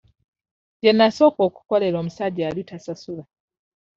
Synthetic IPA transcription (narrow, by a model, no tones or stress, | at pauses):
ɟenːaso̞ːko̞ːku̥ko̞le̞ɾo̞ːmusaɟaːlitasasula